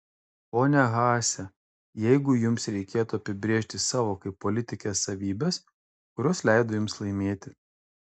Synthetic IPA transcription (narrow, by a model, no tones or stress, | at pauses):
oːnʲɛɣɑːsʲɛ | jɛɪɡʊjʊmsɾʲɛɪkʲeːt̪uɐpʲɪbʲɾʲeːʃʲt̪ʲɪsɑːʋoːkɐɪpːolʲɪt̪ʲɪkʲeːsːɐʋʲiːbʲɛs | kʊɾʲɔːslʲɛɪd̪oːjʊmslˠɐɪmʲeːt̪ʲɪ